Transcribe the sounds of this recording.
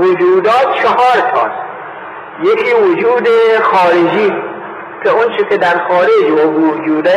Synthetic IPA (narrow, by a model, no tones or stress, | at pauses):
od͡ʒuːd̪ɒːt̪̚t͡ʃʰeɦɒːɾt̪ʰɒ̰ːs | jekʰiːvod͡ʒuːd̪exɒːɾed͡ʒiː | kʰeont͡ʃʰekʰʲed̪æɾxɒːɾed͡ʒoʔud͡ʒuːd̪æː